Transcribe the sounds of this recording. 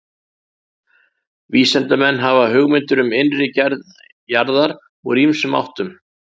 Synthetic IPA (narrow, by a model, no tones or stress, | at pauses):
viːsɛnt̪amɛnːɦavaɦʏɣmɪnt̪ʏɾʏmɪnrɪcɛɾð | jaɾðaɾ | ɔɣrimsʏma̰wht̪ʏm